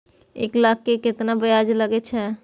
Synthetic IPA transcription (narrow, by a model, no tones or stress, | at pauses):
ḛklak̚ʰːeket̪nabəjad͡ʒləɡɛt͡ʃʰɛ